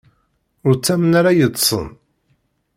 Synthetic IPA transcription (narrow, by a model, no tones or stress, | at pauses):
ʊɾt͡sːæmənaɾajəd̪ˤsˤə̰n